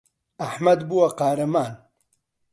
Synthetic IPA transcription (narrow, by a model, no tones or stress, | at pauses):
ɐħmɐd̪buwɐqaːɾɐmaːn